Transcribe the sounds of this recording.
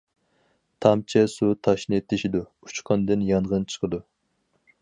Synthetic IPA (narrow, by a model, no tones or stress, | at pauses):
t̪ʰɑmt͡ʃʰɛsut̪ʰɑʃnɨt̪ʰɪʃid̪u | ut͡ʃqʰɑnd̪ɨnjɑnʁənt͡ʃʰə̥qʰəd̪u